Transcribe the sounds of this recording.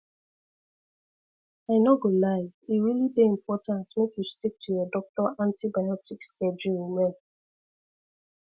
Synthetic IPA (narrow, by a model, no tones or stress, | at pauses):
aɪnɔɡolaɪiɾilideim̩pɔtãntmekjustik̚tʰujɔdɔk̚tɔʔãntibajɔtiksked͡ʒulme